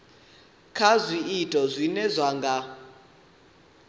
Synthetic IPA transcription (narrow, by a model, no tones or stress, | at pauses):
kʰazʷiːtʼɔzʷinɛzʷaŋɡa